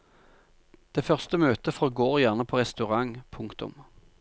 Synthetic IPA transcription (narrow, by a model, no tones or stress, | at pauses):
d̪̥eːfœʁst̪əmøːt̪əfɔʁoɡoːʁjæʁnəpʰoːʁɛst̪ʉʁɑŋpʰʊŋkt̪ʊ̰m